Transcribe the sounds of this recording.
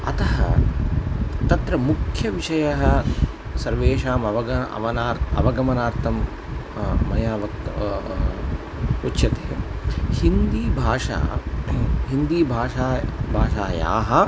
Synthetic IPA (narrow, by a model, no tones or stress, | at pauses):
ɐ̰t̪ɐɦɐ̰ | t̪ɐt̪ɾɐmukʰjɐʋiʂɐjɐɦɐ | sɐɾʋeːʂaːmɐʋɐɐɐ̰ʋɐnaːɾɐ̰ʋɐɡɐmɐnaːɾt̪ʰɐm | mɐjaːʋɐkt | utːʃɐt̪eːɐhind̪iːbʱaːʂa̰ː | ɦind̪iːbʱaːʂaːbʱaːʃaːja̰ːɦɐ̆